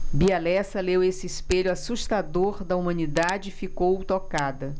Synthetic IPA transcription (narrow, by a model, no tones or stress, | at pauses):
bialɛsɐlewesɪispeʎʊasuʃt̪ad̪oɾd̪ɐumɐ̃nid̪ad͡ʒɪfikowt̪okad̪ɐ